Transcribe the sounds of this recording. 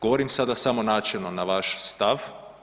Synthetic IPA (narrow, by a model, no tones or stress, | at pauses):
ɡoʋoɾimsad̪asamonaːt͡ʃɛlnonaʋaʃst̪aʋ